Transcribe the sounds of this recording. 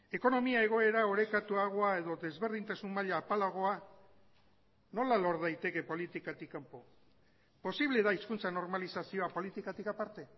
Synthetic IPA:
e̞ko̞no̞miae̞ɣ̞o̞e̞ɾaoɾe̞kat̪uaɣ̞o̞ae̞ðo̞ðe̞zβe̞ɾð̞int̪asummaʎaːpalaɣ̞o̞a | no̞lalo̞ɾðajt̪e̞ke̞po̞lit̪ikat̪ikːampo̞ | po̞siβle̞ðaiskunt͡sano̞ɾmalisasio̞apo̞lit̪ikat̪ikapaɾt̪e̞

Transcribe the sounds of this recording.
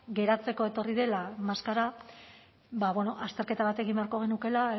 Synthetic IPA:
ɡe̞ɾat͡se̞ko̞e̞t̪o̞riðe̞lamaskaɾa | βaβo̞no̞ʔast̪e̞ɾke̞t̪aβat̪e̞ɣimbe̞aɾko̞ɣ̞e̞nuke̞la

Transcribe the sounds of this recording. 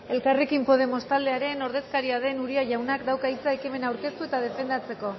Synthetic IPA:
e̞lkare̞kimpo̞ð̞e̞mo̞st̪ald̪e̞aɾe̞no̞ɾð̞e̞skaɾiað̞e̞nuɾiaʝawnakd̪awkait͡saekime̞nawɾke̞st̪uet̪að̞e̞fe̞nd̪at͡se̞ko̞

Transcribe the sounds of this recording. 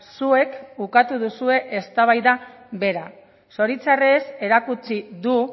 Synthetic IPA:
sue̞kukat̪uðusue̞ʔest̪aβajða | βe̞ɾa | so̞ɾit͡sareːse̞ɾakut͡siðu

